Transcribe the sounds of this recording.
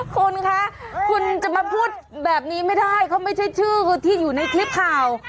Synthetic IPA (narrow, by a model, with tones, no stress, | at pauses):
kʰu˧nkʰa˦˥kʰu˧nt͡ɕa˨˩ma˧pʰuː˥˩t̪̚bɛː˨˩p̚niː˦˥ma˥˩jda˥˩jkʰa˦˥˩wma˥˩jt͡ɕʰa˥˩jt͡ɕʰɯː˥˩˧t̪ʰiː˥˩juː˨˩na˧jkʰli˦˥p̚kʰaː˨˩w